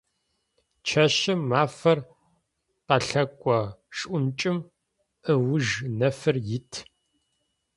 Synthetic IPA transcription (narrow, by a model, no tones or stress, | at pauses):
t͡ʃʰɐʃɐmːaːfɐr | qɐɬɐkʷʼɔʂʼʔʷʊnt͡ʃʼɪm | əwʊʒnɐfɨrjɪtʰ